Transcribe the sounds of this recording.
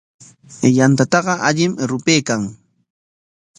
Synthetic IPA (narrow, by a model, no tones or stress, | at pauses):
jant̪at̪ɑɢɑʔaʎɪmɾʊpeːkaŋ